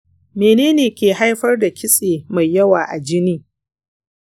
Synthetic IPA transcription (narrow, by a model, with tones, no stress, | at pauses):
meː˨neː˦neː˨kʲeː˨ɦa˦jɸɐ˦rda˨kʲɪ˦sʼeː˨ma˨jːɐ˦waː˨ʔa˨d͡ʒɪ˦niː˦